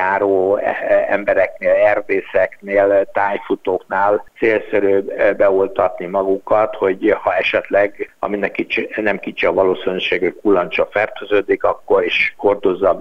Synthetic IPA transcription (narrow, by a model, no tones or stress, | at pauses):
aːɾoːɛ̰mbɛɾɛkneːlɛrd̪eːsɛkneːlt̪aːjfut̪oːknaːlt̪seːlsøɾøːbɛolt̪ɒt̪nimɒɡukɒt̪ho̞ɟhɒɛʃɛt̪lɛɡɒ̰minːɛkːit͡ʃinɛmkit͡ʃiɒvɒloːsinyʃeːɡho̞c̚kulːɒnt͡ʃɒfɛrt̪øzøːd̪ikɒkːo̞ɾiʃho̞rd̪o̞zːɒ